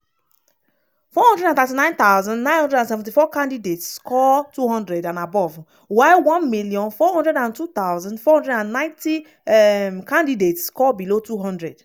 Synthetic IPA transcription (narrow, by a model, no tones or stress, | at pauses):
fɔɦɔ̃ndɹɛdãnt̪ɛtinãɪ̃nt̪awzãndnãɪ̃nhɔ̃ndɹɛdãnsɛvɛ̃ntifɔkãndidetskɔtuɦɔ̃ndɹɛdãnabɔv | waɪwɔ̃nmilijɔ̃nfɔɦɔ̃ndɹɛdãntut̪aʊwzãndfɔhɔ̃ndɹɛdãnnãɪ̃nti | ɛkãndidetskɔbilotuɦɔ̃ndɹɛd